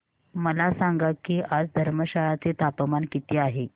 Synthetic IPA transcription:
məlasaŋɡakiːʔad͡zd̪ʱəɾməɕaɭat͡set̪apəmankit̪iːaɦe

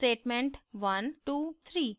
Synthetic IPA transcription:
ʈeːʈmẽɳʈʋɐnʈuːt̪ʰɾiː

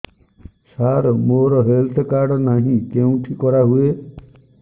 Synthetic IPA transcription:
saɾmoɾɔɦelt̪ʰɔkaɾɖɔnaɦĩkeũʈʰikɔɾaɦue

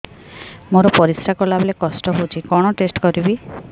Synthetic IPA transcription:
moɾɔpɔɾisɾakɔlablekɔsʈɔɦot͡ʃʰikɔɽ̃ɔʈesʈkɔɾibi

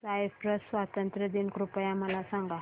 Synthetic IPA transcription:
saiʋpɾəssʋat̪ənt̪ɾəd̪inkɾupəjaməlasaŋɡa

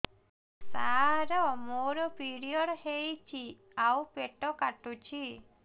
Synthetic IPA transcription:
saɾɔmoɾɔpiɾiɔɽhejt͡ʃʰi | aupeʈɔkaʈut͡ʃʰi

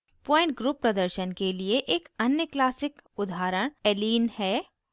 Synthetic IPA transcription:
pɔ̃ːɪ̃ɳʈ̚ɡɾuːpːɾɐd̪əɾʃənkelieʔeːkɐnjəklaːsɪkʊd̪ʱaːɾəɽ̃ɛliːnhɛː

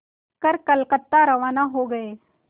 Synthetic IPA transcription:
kɐɾkɐlkət̪ːaɾɐʋaːnaɦoɡɐeː

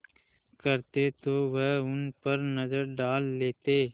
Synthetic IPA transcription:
kəɾt̪et̪oːʋeɦʊnpəɾnəzəɾɖaːlːeːt̪eː

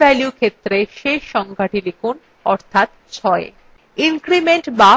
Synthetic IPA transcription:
ɛljukʰet̪ːɾeʃeʃɔŋɡʱaʈilikʰun | ɔɾt̪ʰat̪̚ | t͡ɕʰɔe | inkɾimeɳʈba

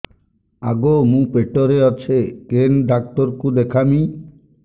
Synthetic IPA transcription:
aɡomũpeʈɔɾeɔt͡ʃʰekenɖak̚t̪ɔɾkud̪ekʰami

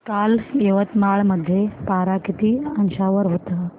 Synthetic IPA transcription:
kaːleʋət̪maɭməd̪ʱːjepaɾakit̪iːɐnɕaʋəɾɦot̪a

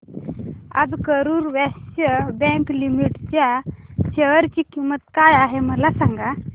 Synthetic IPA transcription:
a̰d͡zkəɾuːɾʋɛɕəbɛ̃ŋklimiʈt͡ɕjaɕeʋəɾt͡ɕiːkimət̪kajaɦeməlasãŋɡa

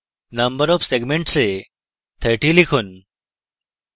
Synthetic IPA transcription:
nɐmbəɾɔːfseɡmẽɳʈse | t̪ʰəʈilikʰʊn

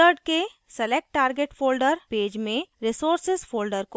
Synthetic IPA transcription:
əɾɖke | sɛlek̚ʈːaːɾɡeʈfʰoːlɖəɾpeːd͡ʒmẽɾɪsoːɾsɪzfʰoːlɖəɾko

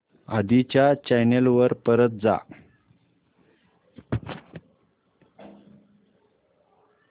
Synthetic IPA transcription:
a̰d̪it͡ɕjat͡ɕajnelʋəɾpəɾət̪̚d͡za̰

